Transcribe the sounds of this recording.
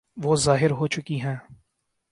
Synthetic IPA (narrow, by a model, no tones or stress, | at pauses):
ʋoːzaːɦɪɾɦoːt͡ʃʊkiɦɛ̃ː